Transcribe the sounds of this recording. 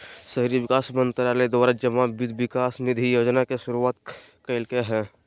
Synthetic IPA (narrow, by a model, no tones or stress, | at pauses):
sɐɦɾiʋɪkaːsmə̃nt̪ɾaled̪aːɾad͡ʒəmabɪd̪ʱʋɪkaːsnɪd̪ʱijoːd͡ʒnakeʃʊɾuaːt̪keɪlkeɦɛ̃ː